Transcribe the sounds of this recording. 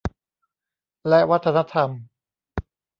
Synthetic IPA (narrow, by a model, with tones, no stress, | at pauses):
lɛ˦˥wa˦˥t̪ʰːa˧na˦˥t̪ʰa˧m